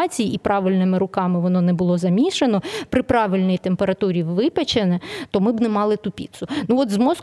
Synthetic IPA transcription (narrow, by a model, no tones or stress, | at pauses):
t͡sʲijiipɾɑʋɪlʲnɪmɪɾʊkɑmɪʋɔnɔnɛbʊlˠɔzɐmʲiʃenɔpɾɪpɾɑʋɪlʲnɪjt̪empeɾɐt̪uɾʲiʋɪpet͡ʃenɛt̪ɔmɪbnɛmɑlˠɪt̪ʊpʲḭt̪sʊnuɔt̪zmɔs